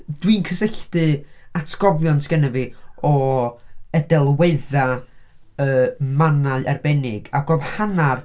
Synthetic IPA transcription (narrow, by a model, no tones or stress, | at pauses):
d̥wiːnkʰəsəɬdɨatʰɡ̥ɔvjɔntʰɡ̥ənɛviɔ | ədɛlˠweɨða | əmanaɨʔɛrbɛnɪɡaɡoːðhanar